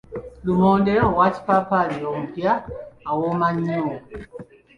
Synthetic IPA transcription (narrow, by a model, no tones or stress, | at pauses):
lumɔndɛɔwat͡ʃpapaliɔm̩pjaawɔmaɲɔ